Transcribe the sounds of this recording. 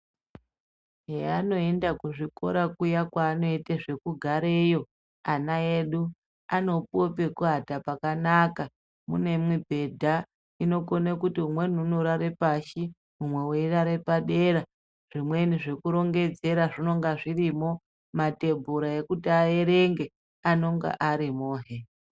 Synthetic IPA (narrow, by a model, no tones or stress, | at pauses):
ɦeano̞e̞ndakuʐiko̞̰ɾakujakwaːno̞iteʐe̞kuɡʱaɾejo̞ | anaeɗu | ano̞po̞pe̞kuɦatapakanaka | mṵne̞mwibʱe̞dʱa | ino̞konekutiumwe̞n̤uunoɾaɾe̞paʃi | umwe̞weiraɾe̞paɗe̞ɾa | ʐ̥imwe̞niʐe̞kuɾo̞ŋɡe̞d͡ze̞ɾaʐino̞ŋɡaʐirimo̞ | mate̞bʱuɾae̞kutiae̞ɾe̞ŋɡe̞ | ano̞ŋɡa̰ʔaɾimoːɦe